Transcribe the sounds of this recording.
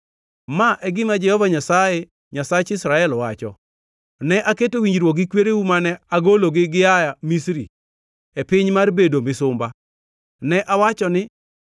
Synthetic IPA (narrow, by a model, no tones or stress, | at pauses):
maʔɛɡɪmad͡ʒɛhɔvaɲasaje | ɲasat͡ʃɪsɾaɛlɔwat͡ʃɔ̰ | nɛʔaketowiɲd͡ʒɾwokɡɪkweɾewumanɛaɡoloɡɪɡɪjajamisɾḭ | epɪɲmarbedomɪsʊmba | nɛʔawat͡ʃɔnɪ